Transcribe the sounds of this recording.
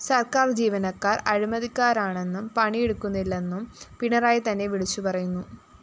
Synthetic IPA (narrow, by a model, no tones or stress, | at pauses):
sɐrkaːrd͡ʑiːʋɐnɐkːaːrɐɻimɐðikːaːɾaːɳe̞nːumpɐɳijeɽukːunːilːenːumpiɳɐraːjit̪ɐnːe̞ʋiɭit͡ɕːupɐrɐjunːu